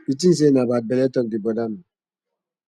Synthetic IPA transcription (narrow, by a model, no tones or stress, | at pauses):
itin̩s̬enabat̚bɛletɔk̚dibɔdami